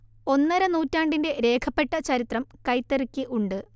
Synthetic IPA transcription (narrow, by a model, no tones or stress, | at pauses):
o̞nːɐɾɐnuːtːaːɳɖinde̞ɾe̞ːkʰɐpːe̞ʈːɐt͡ɕɐɾit̪rɐmkɐjt̪ːerikʲːiʔuɳɖɨ